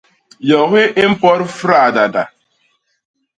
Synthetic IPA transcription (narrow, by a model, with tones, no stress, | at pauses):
jɔ˨ɣʷɪ˦ʔɪ˦m̩˦pɔ˦ɾʊ˦fɾa˦˨a˨da˨da̰˨